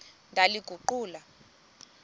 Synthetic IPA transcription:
ŋdʱaliɡ̥ʱuǃuːla

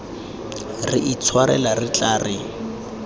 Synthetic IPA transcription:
riʔit͡sʰwaɾɛlarit͡ɬaːrɪ

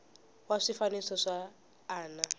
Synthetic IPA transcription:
waʂifanisɔʂaː | na

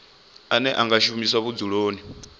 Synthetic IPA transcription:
anɛʔaŋɡaʃumiswaβud͡zuɺoːni

